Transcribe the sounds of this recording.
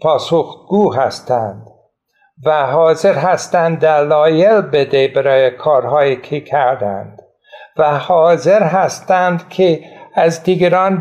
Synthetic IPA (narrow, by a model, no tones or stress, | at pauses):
pʰɒːsoxɡ̥uːɦæst̪ænd̪̥ | væɦɒːze̞ɾɦæst̪ænd̪d̪ælɒːjelbed̪ebæɾɒːjekʰɒːɾɦɒːjikʰekʰæɾd̪æ̰nd̪̥ | væhɒːzeɾɦæst̪ænd̪kʰeæzd̪iːɡæɾɒːn